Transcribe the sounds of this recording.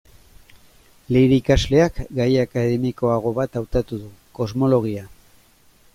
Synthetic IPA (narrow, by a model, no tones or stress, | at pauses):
le̞ɾikazle̞akɡajakaðe̞miko̞aɣ̞o̞βat̪awt̪at̪uðuko̞zmo̞lo̞ɣ̞ia